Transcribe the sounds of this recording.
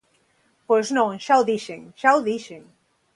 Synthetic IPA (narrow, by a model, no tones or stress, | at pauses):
pojznõŋʃawðiʃeŋʃawðiʃeŋ